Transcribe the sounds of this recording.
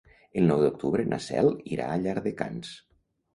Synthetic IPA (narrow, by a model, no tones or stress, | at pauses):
əlˠnɔwðuk̚t̪uβɾənʔa̰sɛ̰lˠiɾa̰ːʎaɾðəka̰ns